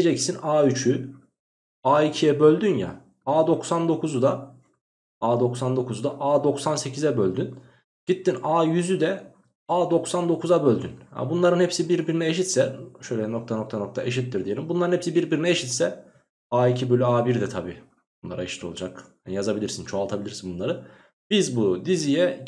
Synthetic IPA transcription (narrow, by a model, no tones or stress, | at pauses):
ied͡ʒɛcsinaːyt͡ʃʰy | aːicʰijɛbø̞lʲd̪ynja̰ | aːd̪o̞ksand̪o̞kʰuzud̪a | aːd̪o̞ksand̪o̞kʰuzud̪aʔaːd̪o̞ksanse̞cʰizɛbølʲd̪yn | ɟ̥it̪ʰːinaːjyzyd̪ɛ | aːd̪o̞ksand̪o̞kʰuzabø̞lʲd̪ynha̰bunlˠaɾɯnhɛpsibiɾbiɾinɛeʃit̪sɛʃøjlʲɛno̞k̚t̪ʰano̞kt̪ʰano̞k̚t̪ʰaʔe̞ʃit̪ːiɾd̪ije̞lʲimbunˠaɾɯnhepsibiɾbiɾinɛeʃit̪sɛ | aːicʰibølʲyaːbiɾd̪ɛt̪ʰabiː | bunlˠaɾaeʃi̥t̪ʰo̞lˠud͡ʒakhanjazabilʲiɾsint͡ʃʰoalˠt̪ʰabilʲiɾsinbunlˠaɾɯ | b̥izbud̪izijɛ